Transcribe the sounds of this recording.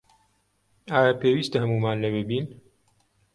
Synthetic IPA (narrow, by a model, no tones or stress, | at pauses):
aːjapeːwiːst̪ɐhɐmuːmaːnlɛbɨbiːn